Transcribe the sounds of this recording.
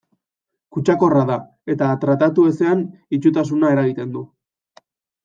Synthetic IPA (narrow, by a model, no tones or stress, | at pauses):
kut͡ʃako̞raða | e̞t̪at̪ɾat̪at̪ue̞se̞anit͡ʃut̪as̬unae̞ɾaɣ̞it̪e̞nd̪u